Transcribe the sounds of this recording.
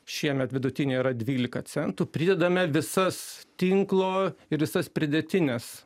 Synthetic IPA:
ʃʲiɛmʲɛt̪ʋʲɪd̪ʊt̪ʲɪnʲeːiɾɐd̪ʲʋʲiːlʲɪkɐsʲɛnt̪upʲɾʲɪd̪ʲɛd̪ɐmʲɛʋʲɪsɐst̪ʲɪŋklˠoːɪɾʋʲɪsɐspʲɾʲɪd̪ʲɛt̪ʲɪnʲɛs

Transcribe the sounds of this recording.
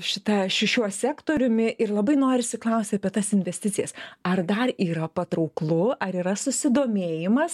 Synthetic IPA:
ʃʲɪt̪ɐʃʲɪʃʲuɔsʲæːkt̪oːɾʲʊmʲɪʔɪrlˠɐbɐɪnoːɾʲɪsʲɪklˠɐʊsʲt̪ʲɐpʲiɛt̪ɐsɪnʲʋʲɛsʲt̪ʲɪt̪t͡s̪ʲɪjɛsɐrd̪ɐriːɾɐpɐt̪ɾɐʊklˠʊʔɐɾiːɾɐsʊsʲɪd̪oːmʲeːjɪmɐs

